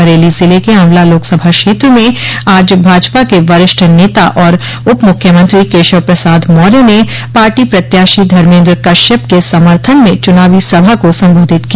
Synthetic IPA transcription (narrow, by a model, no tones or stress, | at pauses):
əɾeːlizɪlekeɦɐmlaloːksɐbʱakʃeːt̪ɾəmẽaːd͡ʒbʱaːd͡ʒpakeʋɐɾɪʃʈʰəneːt̪aʔɔːɾ | ʊpmʊkʰjəmə̃nt̪ɾikeːʃəʋpɾɐsaːd̪mɔːɾene | paːɾʈipɾɐt̪jaːʃid̪ʱɐɾmẽːnd̪ɾkɐʃəp̚kesɐməɾt̪ʰənmẽt͡ʃʊnaːʋisɐbʱakosɐ̃mboːd̪ʱɪt̪ki